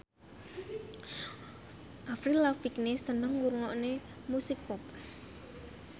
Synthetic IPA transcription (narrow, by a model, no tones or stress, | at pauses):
ʔafɾilafiknesənəŋwuɾŋɔʔne | musɪk̚pɔp̚